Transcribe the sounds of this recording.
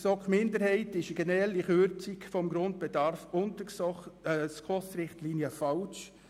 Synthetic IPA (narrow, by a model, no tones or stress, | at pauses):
sɔkχmɪndəɾhɛɪtɪʃəɡ̥ɛnəɾɛlːiχøɾt͡sikfɔmɡɾʊnt̚b̥ɛdɑɾfʊntəs | skʰɔsɾɪχtliːnjəfɑlt͡ʃ